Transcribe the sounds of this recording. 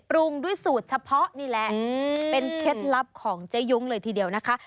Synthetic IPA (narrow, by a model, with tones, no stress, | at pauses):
pɾu˧ŋdu˥˩əjsuː˨˩t̪̚t͡ɕʰa˧pʰɔ˦˥ʔniː˥˩lɛ˨˩ʔpe˧nkʰe˦˥t̪̚la˦˥p̚kʰɔː˩˦ŋt͡ɕa˦˥jːu˦˥ŋlɤː˧jt̪ʰiː˧di˧˩əwna˦˥kʰa˦˥ʔ